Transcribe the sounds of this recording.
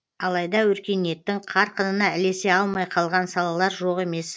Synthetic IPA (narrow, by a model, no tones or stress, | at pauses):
ɑlˠɑjd̪ɑwɵɾkʲe̞ne̞t̪ːɪŋqʰɑɾqənənɑɪle̞se̞ɑlˠmɑjqʰɑlˠʁɑnsɑlˠɑlˠɑɾʒo̞ʁe̞me̞s